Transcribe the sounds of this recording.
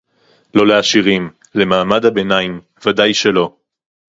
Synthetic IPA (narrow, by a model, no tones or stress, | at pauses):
lo̞leaʃiʁim | le̞maːmadhabe̞naim | vadajʃelo̞